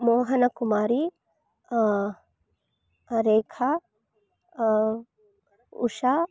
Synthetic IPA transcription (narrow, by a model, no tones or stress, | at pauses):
moːɦɐnɐkumaːɾi | ɾeːkʰa | ṵʃa